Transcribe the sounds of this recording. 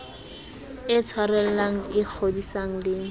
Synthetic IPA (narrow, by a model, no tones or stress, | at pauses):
ɪt͡sʰwarɛl̩laŋ̩ɪk͡xʰodisaŋ̩lɪŋ̩